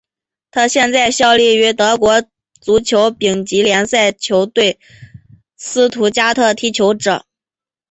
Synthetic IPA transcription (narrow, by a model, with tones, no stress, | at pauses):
t̪ʰa˥ɕjɛ˥˧nt͡sa˥˧ɪɕjɑ˥˧ʊli˥˩y˧˥t̪ɤ˧˥kwɔ˧˥ | t͡su˧˥t͡ɕʰjo˧˥ʊpi˨˩ŋt͡ɕi˧˥ljɛ˧˥nsa˥˩ɪt͡ɕʰjo˧˥ʊt̪we˥˩ɪ | sɹ̩˥t̪ʰu˧˥t͡ɕja˥t̪ʰɤ˥˧t̪ʰi˥t͡ɕʰjo˧˥ʊʈ͡ʂɤ̰˨˩˦